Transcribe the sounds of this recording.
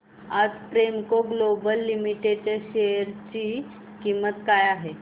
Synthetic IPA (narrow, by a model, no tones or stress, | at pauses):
ad͡zpɾemkoɡlobəlːimiʈeɖt͡ɕeɖɕeəɾt͡ɕi | kimːət̪kajaɦe